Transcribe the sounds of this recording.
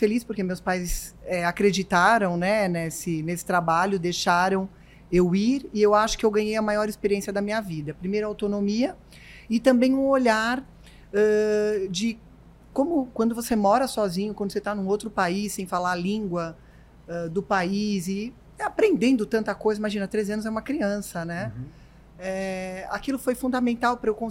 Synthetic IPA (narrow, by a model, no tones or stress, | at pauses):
felispʊɾkemewspajsɛakɾed͡ʒit̪aɾɐ̃w̃nɛnɛsɪnesɪ̥t̪ɾabaʎʊd̪ejʃaɾɐ̃w̃ | ewiɾɪewaʃʊ̥kɪewɡɐ̃ɲejɐmajɔɾɪspeɾiẽsjɐd̪ɐmĩɲɐvid̪ɐpɾimejɾɐawt̪onomiɐ | ɪt̪ɐ̃mbẽj̃ũoʎaɾ | ɛd͡ʒɪ | kõmʊkwɐ̃nd̪ʊvosemɔɾɐsɔzĩɲʊkwɐ̃d̪ʊset̪anũowt̪ɾʊpaisːẽj̃falaɾlĩŋɡwɐ | ɛd̪ʊpaizɪ | apɾẽnd̪ẽnd̪ʊt̪ɐ̃nt̪ɐkojzɐimaʒĩnɐt̪ɾezɪɐ̃nʊzɛũmɐkɾiɐ̃sɐnɛ | ɛa̰kilʊfojfũnd̪amẽnt̪awpɾɐewkõ